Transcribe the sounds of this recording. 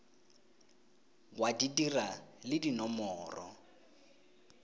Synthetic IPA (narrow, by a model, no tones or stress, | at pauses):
wadidiralɪdinɔmɔːrɔ̰